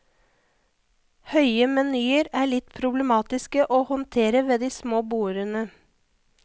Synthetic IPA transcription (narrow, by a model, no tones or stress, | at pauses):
hœʏəmɛnyːəɾæːɭɪt̪pʰɾʊblɛmɑːt̪ɪskəʔoːhɔnt̪ʰeːɾəʋeːd̪iːsmoːbuːəɾənə